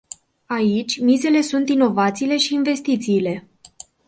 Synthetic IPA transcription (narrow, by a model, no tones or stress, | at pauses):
ait͡ʃʲmize̞le̞sunt̪ino̞vat̪siːle̞ʃiːnve̞st̪it̪siːle̞